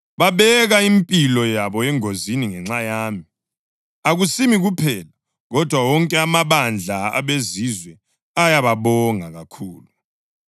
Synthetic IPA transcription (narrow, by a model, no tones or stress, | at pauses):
βaβɛɣaimpʼilɔjaβɔɛŋoziniŋɛŋ͡ǁajaːmi | aɣusimiɣupʰɛla | ɣɔd̥ʱwawɔŋkʼɛamaβand͡ɮʱaa̰βezizwɛ | ajaβaβɔŋaɣakʰuːlu